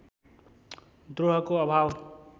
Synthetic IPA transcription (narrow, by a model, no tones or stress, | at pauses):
d̪ɾoɦʌkoʌbʱaw